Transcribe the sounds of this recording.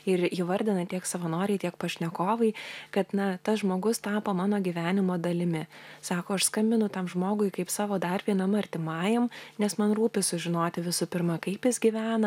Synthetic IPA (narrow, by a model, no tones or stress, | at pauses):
ɪɾiːʋɐɾʲd̪ʲɪnɐt̪ʲiɛksɐʋɐnoːɾʲɛɪt̪ʲiɛkpɐʃʲnʲɛkoːʋɐɪkɐt̪nɐt̪ɐsʒmoːɡʊst̪ɑːpɐmɑːnoːɡʲiʋʲæːnʲɪmoːd̪ɐlʲɪmʲɪsɑːkoːɐʃskɐmʲbʲɪnʊt̪ɐmʒmoːɡʊɪkɐɪpsɑːʋoːd̪ɐrʲpʲiɛnɐmɐrʲt̪ʲɪmɑːjɛmnʲɛsmɐnruːpʲɪsʊʒʲɪnoːt̪ʲɪʋʲɪsʊpʲɪrmɐkɐɪpjɪsɡʲiʋʲæːnɐ